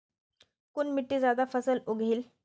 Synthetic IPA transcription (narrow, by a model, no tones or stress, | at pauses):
kunmiʈːiːd͡zad̪afəsəloɡʱiːl